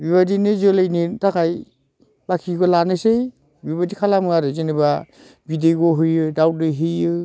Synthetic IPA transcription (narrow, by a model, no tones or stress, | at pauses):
biβadinezɯlejnitakaj | bakʰiɡɔlanɯsej | bibadikʰalamɯaɾɯzeniba | bideɡɔɦɯjɯdaw̚ɯɦɯjɯ